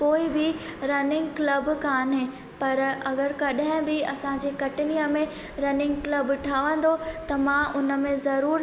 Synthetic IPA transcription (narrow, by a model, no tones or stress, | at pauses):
koːɪbɪɾɐnɪ̃ŋɡklɐbkaːnɦeː | pɐɾɐɡəɾkɐɗɦɪ̃bɪɐsãd͡ʑeːkɐʈɪnijəmẽ | ɾɐnɪ̃ŋɡklɐbʈʰaːʋə̃nd̪ot̪ɐmãʔʊnə̆mẽzɐɾuːɾ